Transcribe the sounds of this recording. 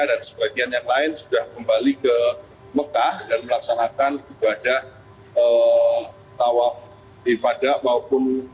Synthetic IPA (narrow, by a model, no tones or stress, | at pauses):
adansə̥baɡianjaŋlaɪnsudahkəmbalikə | məkahdanməlaksanakanibadah | ə | t̪awaf | ifadaʔmaopʊn